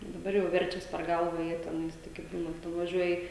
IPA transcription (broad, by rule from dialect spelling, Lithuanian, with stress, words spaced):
dɐˈbɐr jɛʊ ˈʋʲɛrʲt͡ʃʲɛs pʲɛr ˈɡɐlˠʋɐ ˈjiɛ tʲɛˈnɐɪs ˈtɐɪɡʲɪ ˈbuːnɐt nʊʋɐˈʒʲuɔjɪ